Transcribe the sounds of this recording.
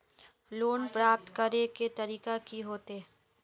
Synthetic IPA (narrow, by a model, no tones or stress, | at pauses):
loːnpɾaːp̚t̪kəɾeket̪ɐɾiːkakiɦoːt̪e